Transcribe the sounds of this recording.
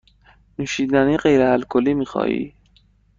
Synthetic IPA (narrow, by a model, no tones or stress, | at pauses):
nuːʃiːd̪æniɢejɾehælkʰolːiːmiːxɒ̰ːḭː